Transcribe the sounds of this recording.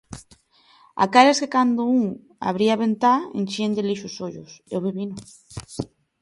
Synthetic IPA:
a̰kaɾeskekand̪ouŋ | a̰β̞ɾiaβent̪aḛnʲt͡ʃend̪eliʃosoʎoseoβiβino

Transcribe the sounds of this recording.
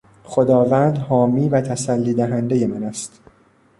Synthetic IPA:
χo̞d̪ɒːvænd̪hɒːmiːvæt̪ʰæsælːiːd̪æɦænd̪eje̞mænæst̪

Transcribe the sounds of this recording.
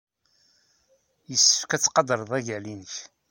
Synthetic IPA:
jəsːə̥fkæt͡sːqɑd̪əɾˤðˤæʝælinəç

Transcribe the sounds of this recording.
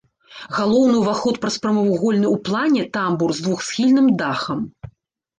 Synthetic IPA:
ɣalˠɔwnɨwvaxɔt̪pɾɐspɾɐmɐvuɣɔlʲnɨwplˠanʲɛt̪amburzd̪vuxsʲxʲilʲnɨmd̪axɐm

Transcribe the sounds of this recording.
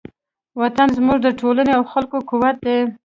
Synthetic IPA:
wat̪anzmuʐd̪əʈʰolaneawxalkokuwat̪̚d̪e

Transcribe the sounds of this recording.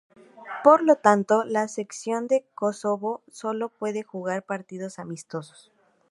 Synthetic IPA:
po̞ɾlo̞t̪ant̪o̞lase̞ksjo̞nd̪e̞kosoβo̞so̞lo̞pwe̞ðe̞xuɣaɾpaɾt̪ið̞o̞samist̪o̞so̥s

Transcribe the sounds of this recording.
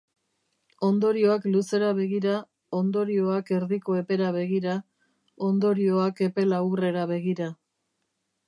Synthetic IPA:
o̞nd̪o̞ɾio̞akluse̞ɾaβe̞ɣiɾa | o̞nd̪o̞ɾio̞ake̞ɾðiko̞e̞pe̞ɾaβe̞ɣiɾa | o̞nd̪o̞ɾio̞ake̞pe̞lawre̞ɾaβe̞ɣiɾa

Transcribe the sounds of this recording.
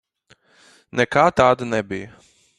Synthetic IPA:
nɛkaːt̪aːd̪ɐnɛbijə

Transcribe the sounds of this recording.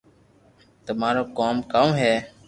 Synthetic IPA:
t̪əmaːɾoːkoːmkaːõːɦɛː

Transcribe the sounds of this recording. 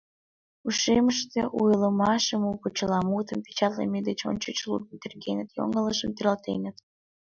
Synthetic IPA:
uʃeməʃt̪eʔujələmɑʃəmupot͡ɕəlɑmut̪əmpe̥t͡ɕɑt̪lḛmed̪et͡ɕo̰nt͡ɕət͡ɕlṵd̪ənt̪erɣenət̪jo̰ŋələʃəmt̪eɾəlt̪ḛnət̪

